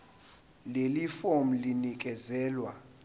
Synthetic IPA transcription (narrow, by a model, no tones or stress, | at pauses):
lelifom̩linik̬ʼɛzɛːlwa